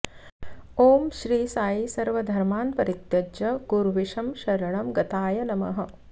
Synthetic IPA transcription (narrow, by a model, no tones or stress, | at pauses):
oːmʃɾiːsaːjisɐɾʋɐd̪ʱɐɾmaːnpɐɾit̪jɐd͡ʒɐkuɾʋiʃɐmʃɐɾɐɳɐmɡɐt̪aːjɐnɐmɐ̰ɦɐ̆